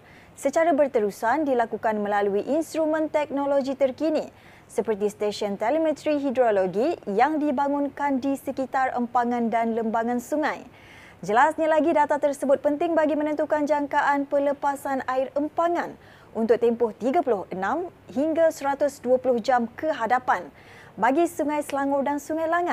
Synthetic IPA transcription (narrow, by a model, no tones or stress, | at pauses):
sət͡ʃaɾabərt̪əɾusandilakukanmə̃laluiʔinst̪ɾumə̃nt̪ɛk̚nolod͡ʒit̪ərkini | səpərt̪ist̪eʃɔnt̪ɛlimɛ̃t̪ɾiɦidɾoloɡijaŋdibaŋunkandisəkit̪arə̰mpaŋãndanləmbaŋãnsuŋãj | d͡ʒəlasɲalaɡidat̪at̪ərsəbʊt̪̚pənt̪ɪŋbaɡimə̃nə̃nt̪ukand͡ʒaŋkaʔanpələpasanaɪrəmpaŋãn | unt̪ʊk̚t̪ɛmpʊht̪iɡapulʊhənãm | ɦiŋɡasəɾat̪ʊsduəpulʊhd͡ʒamkəɦadapan | baɡisuŋãjsəlaŋʊrdansuŋajlaŋət̪̚